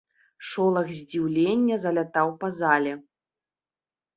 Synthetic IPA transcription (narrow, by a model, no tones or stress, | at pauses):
ʂɔlˠɐɣzʲd͡zʲiwlʲenʲːɐzɐlʲat̪awpɐzalʲɛ